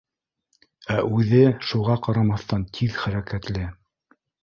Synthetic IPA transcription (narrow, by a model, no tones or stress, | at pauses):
æʔʉðɘʃuʁɑqɑɾɑmɑθt̪ɑnt̪ʰiðχæɾækæt̪lɘ